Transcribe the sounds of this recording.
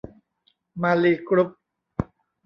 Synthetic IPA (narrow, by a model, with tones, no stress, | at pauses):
maː˧liː˧kɾu˦˥p̚